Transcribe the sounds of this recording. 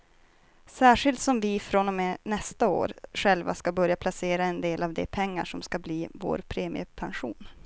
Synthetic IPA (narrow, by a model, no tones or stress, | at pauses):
sæːʂɪlt̪sɔmvɪfɾɔnɔmenɛst̪ao̰ːɾɧɛlva̰skabœɾjapʰlaseːɾaɛnd̪eːlavd̪ɛ̰pʰɛŋːa̰ʂɔmskabliːvo̰ːɾpʰɾeːmɪ̰ə̰pʰanɧṵːn